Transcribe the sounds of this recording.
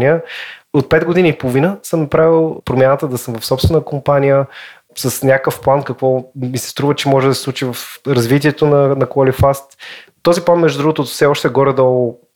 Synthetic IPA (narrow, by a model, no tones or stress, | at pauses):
nijəot̪̚pɛd̪ɡʊd̪iniːpolˠvinəsɤmnɐpɾavilˠpɾomʲjanət̪əd̪ɐsəmvɐfsɔpsvɛnəkompanʲijə | sɐsnʲakəfplˠankɐkvɔmisɛ̥st̪ɾuvət͡ʃɛmɔʒɛd̪ɐsɛ̥sˠut͡ʃivɐfɾɐzvit̪iɛt̪onɐnɐkɐlifast̪t̪ːɔziplˠanmɛʒd̪ud̪ɾuɡot̪oːt̪fsɛɔʃt̪ɛɡɔɾɛd̪ɔlˠo